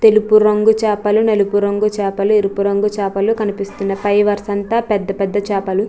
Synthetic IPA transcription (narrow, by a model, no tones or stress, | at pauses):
t̪e̞lupuɾɐŋɡut͡ʃaːpɐlunelupuɾɐŋɡut͡ʃɛːpɐluiɾupuɾɐŋɡut͡ʃaːpɐlukɐnipist̪unːɐpɐjʋɐɾsɐnt̪aːpɛd̪ːɐpɛd̪ːɐt͡ʃɛːpɐlu